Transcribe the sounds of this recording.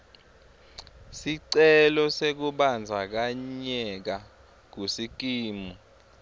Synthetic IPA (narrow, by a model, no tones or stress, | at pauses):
siǀɛlɔsek̬uɓand͡zʱak̬aɲɛk̬a | k̬usik̬ʼiːmu